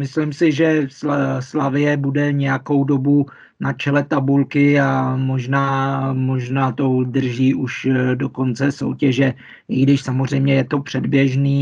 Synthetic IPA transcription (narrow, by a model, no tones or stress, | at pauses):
mɪslɪmsɪʒɛsslavɪjɛbudɛɲɛjako̞wdo̞bu | nat͡ʃɛlɛt̪abulkɪamo̞ʒnaːmo̞ʒnaːt̪o̞dr̩ʒiːʔuʃdo̞ko̞nt͡sɛso̞̰wcɛʒɛ | ʔɪɡdɪʃsamor̝ɛjmɲɛjɛt̪o̞pr̝̥ɛdbjɛʒniː